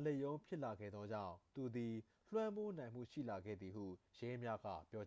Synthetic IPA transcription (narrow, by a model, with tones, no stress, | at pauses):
le˦˨jõ˦ʊ̃mpʰjɪ˦ʔla˨ɡɛ̰˦˨d̪ðɔ˦d͡ʑã̰˦˨ʊ̃t̪u˨d̪i˨ | l̥wã˦mbo˦nã˨ɪ̃m̥ṵ˦˨ʃḭ˦˨la˨ɡɛ̰˦˨d̪ði˨hṵ˦˨jɛ˦mja˦ɡa̰˦˨pjɔ˦a˨